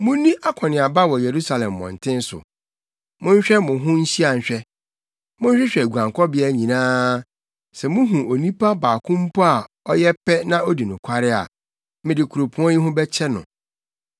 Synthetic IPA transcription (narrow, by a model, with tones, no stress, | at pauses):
mʊ̃˦nĩ˦ʔa˦kʷʰɔ˨nɪ̃˨a˨ba˦wɔ˨je˨ɾu˦sa˨lɛ̃˨mːɔ̰̃˨n̩˨tʰɪ̃˦n̩˦sʊ̰˨ | mʊ̃˦ɲ̩˦ɕᶣɛ˦mʊ̃˨ɦʊ̃˦ɲ̩˦ɕi˦a˨ɲ̩˨ɕᶣɛ˦ | mʊ̃˦ɲ̩˦ɕᶣɪ˦ɕᶣɛ˨ɡu˨ã˨ŋkʰɔ˦bɪ˦a˦ɲĩ˨nãː˦ | sɛ˨mʊ̃˦ɦũ˨o˨nĩ˦pʰa˦baː˨kʰʊ̃˦m̩˦pʰɔ˦a˨ | ɔ˦jɛ˦pɛ˦nã˦o˦di˨nʊ̃˨kʷʰa˦ɾɪ˦a̰˨ | mɪ̃˨dɪ˨kʰu˨ɾo˨pʰũ˨˦ɔ̃˦ji˦ɦʊ̃˦bɛ˦t͡ɕʰɛ˦nʊ̰̃˨